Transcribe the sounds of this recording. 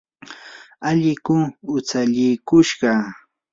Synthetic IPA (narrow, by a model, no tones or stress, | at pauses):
aʎɪkʊŋʊt͡saʎɪkʊʃɢɑ